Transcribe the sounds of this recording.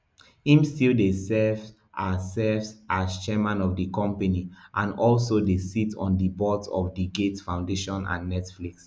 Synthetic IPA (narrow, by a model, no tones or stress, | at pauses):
ĩmstildesɛv | ʔasɛvsʔast͡ʃɛmãnɔvdikɔ̃mpaniʔãnɔlsodesitʰɔ̰̃ndəbɔtɔ̰fdiɡetfãʊ̃ndeʃɔ̃nã̰nːɛtfliks